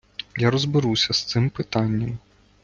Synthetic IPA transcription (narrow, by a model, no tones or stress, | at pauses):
jaɾɔzbɪɾusʲɐst̪sɪmpɪt̪anʲːɐm